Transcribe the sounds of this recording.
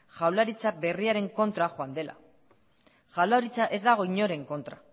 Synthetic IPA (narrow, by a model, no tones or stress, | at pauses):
ʝawlaɾit͡sabe̞riaɾe̞ŋko̞nt̪ɾaxoand̪e̞la̰ | ʝawlaɾit͡saʔe̞zd̪aɣ̞o̞iɲo̞ɾe̞ŋko̞nt̪ɾa